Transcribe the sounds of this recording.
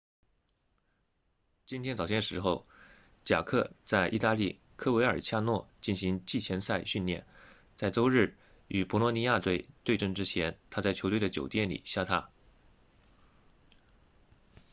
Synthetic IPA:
t͡ɕi˥nt̪ʰjɛ˥nt͡sɑ˨˩ɕjɛ˥˩nʂɻ̩˧˥xo˥˧ʊ | t͡ɕja̰˨˩kʰɤ˥˧t͡sa˥˧ɪʔḭ˥˧t̪a˥˧li˥˩ | kʰɤ˥we˧˥ɪə˞˨˩t͡ɕʰja˥˧nwɔ˥˧t͡ɕi˥˩nɕi˧˥ŋt͡ɕi˥˩t͡ɕʰjɛ˧˥nsa˥˧ɪɕy˥˧nljɛ̰˥˩n | t͡sa˥˩ɪʈ͡ʂo˥ʊɻɻ̩˥˩ | y˨˩pɔ˧˥lɔ˧˥ni˧˥ja˥˧t̪we˥˧ɪt̪we˥˧ɪʈ͡ʂɤ˥˧ŋʈ͡ʂɻ̩˥t͡ɕʰjɛ˧˥nt̪ʰa˥t͡sa˥˩ɪt͡ɕʰo˧˥t̪we˥˩ɪd̪ə˩t͡ɕjo̰˨˩ʊt̪jɛ˥˩nlḭ˨˩ɕja˥t̪ʰa˥

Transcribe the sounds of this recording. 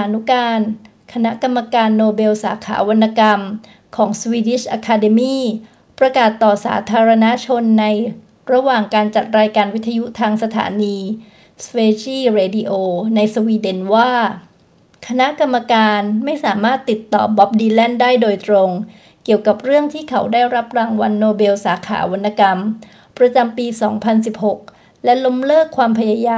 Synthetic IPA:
aː˩˦nu˦˥kaː˧n | kʰa˧na˦˥ʔka˧mːa˧kaː˧nːoː˧be˧wsa̰ː˩˦kʰa̰ː˩˦wa˧nːa˧ka˧m | kʰɔː˩˦ŋswiː˧di˦˥˩ʔaː˧kʰaː˧de˧miː˥˩ | pɾa˧kaː˨˩t̪ːɔː˨˩sa̰ː˩˦t̪ʰaː˧ɾa˧na˦˥t͡ɕʰo˧nːa˧j | ɾa˧waː˨˩ŋkaː˧nt͡ɕa˨˩t̪̚ɾaː˧jkaː˧nwi˦˥t̪ʰːa˧ju˦˥t̪ʰaː˧ŋsa˧t̪ʰa̰ː˩˦niː˧ | sweː˧t͡ɕiː˥˩ɾeː˧di˧ʔoː˧na˧jswiː˧de˧˩nwaː˥˩ | kʰa˧na˦˥ʔka˧mːa˧kaː˧nma˥˩jsaː˩˦maː˥˩t̪ːi˨˩t̪ːɔ̰ː˨˩bɔ˦˥p̚diː˧lɛ˥˩ndaː˥˩jdoː˧jt̪ɾo˧ŋ | ki˨˩əwka˨˩p̚ɾɯ˥˩əŋt̪ʰiː˥˩kʰa˩˦wdaː˥˩jɾa˦˥p̚ɾaː˧ŋwa˧nːoː˧be˧wsaː˩˦kʰa̰ː˩˦wa˧nːa˧ka˧m | pɾa˧t͡ɕa˧mpiː˧sɔ̰ː˩˦ŋpʰa˧nsi˨˩p̚ho˨˩k̚ | lɛ˦˥lo˦˥mlɤː˥˩kʰːwaː˧mpʰa˧jaː˧jaː˧

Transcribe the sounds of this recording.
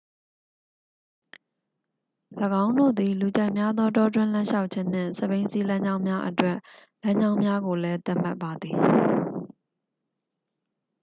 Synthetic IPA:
lə˨ɡã˦ʊ̃ndo̰˦˨d̪i˨lu˨t͡ɕã˦˨ɪʔmja˦d̪ðɔ˦tɔ˦twɪ̃˦˨lã˦ʃa˦ʊʔt͡ɕʰɪ̃˦n̥ɪ̰̃˦˨sə˦˨bẽ˦ɪ̃nsi˦lã˦ɲd͡ʑã˦ʊ̃mja˦ʔətwɛ˦˨ʔ | lã˦ɲd͡ʑã˦ʊ̃mja˦ɡo˨lɛ˦t̪a˦ʔm̥a̰˦pːa˨d̪ði˨

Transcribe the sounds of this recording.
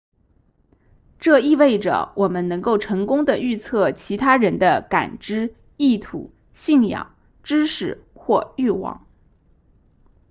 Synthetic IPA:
ʈ͡ʂɤ˥˧i˥˧we˥˩ɪʈ͡ʂə̰˩wɔ˨˩mə˦nnɤ˧˥ŋko˥˩ʊʈ͡ʂʰɤ˧˥ŋkʊ˥ŋd̪ə˨y˥˧t͡sʰɤ˥˩t͡ɕʰi˧˥t̪ʰa˥ɻə˧˥nd̪ə˧ka̰˨˩nʈ͡ʂɻ̩˥ | i˥˩t̪ʰṵ˨˩˦ | ɕi˥˩ŋjɑ̰˨˩˦ŋ | ʈ͡ʂɻ̩˥ʂɻ̩˥˩xwɔ˥˧y˥˩wɑ̰˨˩˦ŋ

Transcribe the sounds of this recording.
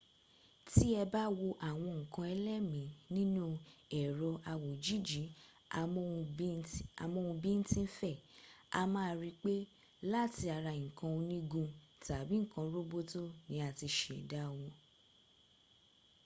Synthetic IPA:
ti˦ɛ˧ba˦wo˧ʔa˦˨w̃ɔ̃˧ŋ̩˨kã˧ɛ˧lɛ˦mĩ˨˦nĩ˦nũ˦ɛ˨ɾɔ˧ʔa˧wo˨d͡ʒi˦d͡ʒi˨˦˧ | a˨mɔ̃˧ũ˧bĩ˦n̩˦tĩ˦n̩˦fɛ˦˨a̰˧mã˦˨ɾi˧k͡pe˦ | la˦˨ti˧a˧ɾa˧˨ŋ̩˨kã˧o˧nĩ˦ɡũ˧ta˨bi˨˦ŋ̩˦˨kã˧˦ɾo˦bo˦to˦nĩ˨˦a˨ti˧ʃe˨da˦˨wɔ̃˧

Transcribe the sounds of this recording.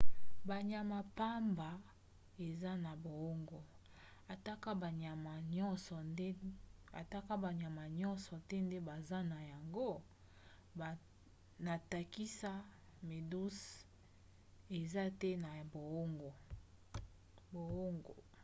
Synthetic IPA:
ba˨ɲa˨ma˨pa˦mba˨ | e˨za˦na˨bo˨o˦ŋɡo˨ | a˨ta˦ka˦ba˨ɲa˨ma˨ɲɔ˦nsɔ˨˦a˨ta˦ka˦ba˨ɲa˨ma˨ɲɔ˦nsɔ˨tɛ˦nde˦ba˨za˦na˨ja˨ŋɡo˦˨ | na˨ta˨ki˦sa˦ | me˨du˦s | e˨za˦tɛ˦na˨bo˨o˦ŋɡo˨ | bo˨o˦ŋɡo̰˨

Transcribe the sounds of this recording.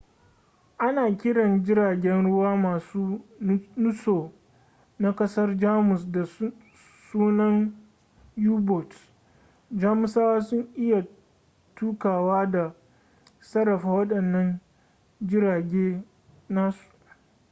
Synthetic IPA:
ʔa˦naː˨kʲɪ˦ɽɐ˨nd͡ʒɪ˦ɽaː˨ɡʲɛ˦nɽʊ˦waː˦maː˨suː˦nʊ˦soː˨ | na˦kɐ˦sɐ˦rd͡ʒaː˦mʊ˨sda˨ | suː˦nɐ˦n | juː˦bɔ˨t | d͡ʒaː˦mʊ˨saː˦wa˦sʊ˦ŋʔɪ˦ja˨ | tuː˦kaː˨waː˦da˨ | sɐ˦ɾɐ˨ɸa˨wɐ˦ɗɐ˨nːɐ˦n | d͡ʒɪ˦ɽaː˨ɡʲeː˦ | naː˦su̥˨ʔ

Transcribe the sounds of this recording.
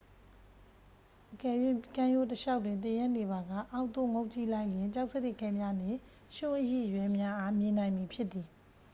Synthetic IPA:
ʔəkɛ˨jwe˦˨kã˦jo˦˨təʃa˦ʊtːwɪ̃˨nt̪̬ɪ˨jã˦ne˨ba˨ɡa̰˦˨ʔa˦ʊʔnt̪o̰˦˨ŋõ˦ʊʔt͡ɕḭ˦˨la˦ɪʔljɪ̃˨ɲt͡ɕa˦ʊʔ̚sə˦dɪ˦˨kɛ˦mja˦nɪ̃˦˨ | ʃʊ̃˦˨ʔəjḛ˦˨ʔəjwɛ˦mja˦ʔa˦mjɪ̃˨nã˨ɪ̃mi˨pʰjɪ˦ʔt̪ːi˨

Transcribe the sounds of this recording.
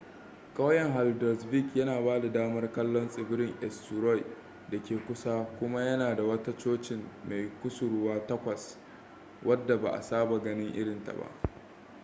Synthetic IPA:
kʼɐ˦wjɛ˨ŋɦa˨ldɐ˨sbi˦˨kjɐ˦naː˨baː˦da˨daː˦mɐ˦rkɐ˦lːɔ˦nsʼɪ˨bɪ˦ɾɪ˦ŋʔɛ˨stʊ˨ɾɔ˦j | da˨kʲeː˨kʷʊ˦sa˦kʷʊ˦ma˦jɐ˦naː˨da˨wɐ˦ta˦t͡ʃoː˦t͡ʃɪ˨mːa˨jkʷʊ˦sʊ˨ɽʊ˦waː˦tɐ˦kʷɐ˨s | wʔɐ˦dːa˨ba˨ʔa̰˨saː˦ba˨ɡɐ˦nɪ˦ŋʔɪ̰˦ɽɪ˨nta̰˨ba̰˦ʔ

